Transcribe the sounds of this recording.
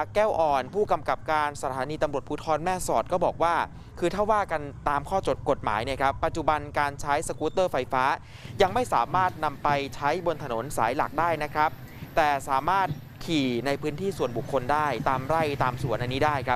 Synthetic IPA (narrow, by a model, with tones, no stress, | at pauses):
a˨˩kːɛː˥˩wʔɔː˨˩npʰuː˥˩ka˧mka˨˩p̚kaː˧nsa˧˩t̪ʰaː˩˦niː˧t̪a˧mɾu˨˩ət̪̚pʰu˦˥t̪ʰɔː˧nmɛː˥˩sɔː˨˩t̪̚kɔː˥˩bɔː˨˩k̚waː˥˩ | kʰɯː˧t̪ʰaː˥˩waː˥˩ka˧nt̪aː˧mkʰɔː˥˩o˨˩ko˨˩t̪̚ma̰ː˩˦jni˥˩əkʰɾa˦˥pːa˨˩t̪̚t͡ɕu˨˩ba˧nkaː˧nt͡ɕʰa˦˥jsa˧kuː˦˥t̪ɤː˥˩fa˧jfaː˦˥ | ja˧ŋma˥˩jsaː˩˦maː˥˩t̪̚na˧mpa˧jt͡ɕʰa˦˥jbo˧nt̪ʰa˧no˩˦nsa̰ː˩˦jla̰˨˩k̚daː˥˩jna˦˥kʰɾa˦˥p̚ | t̪ɛː˨˩saː˩˦maː˥˩t̪̚ | kʰiː˨˩na˧jpʰɯː˦˥nt̪ʰiː˥˩su˨˩ənbu˨˩kʰːo˧ndaː˥˩jt̪aː˧mɾa˥˩jt̪aː˧msu˨˩ənʔa˧nːiː˦˥daː˥˩jkʰɾa˦˥